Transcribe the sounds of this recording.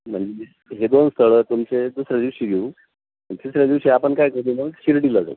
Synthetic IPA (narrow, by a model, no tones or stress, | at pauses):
m̤əɳd͡ze | ɦed̪onst̪ʰəɭəːt̪umt͡sed̪usɾad̪iʋɕiːɡʱeũ | məd̪isɾad̪iʋɕiapəɳkajkəɾuməɕiɾʈiːləɡə̰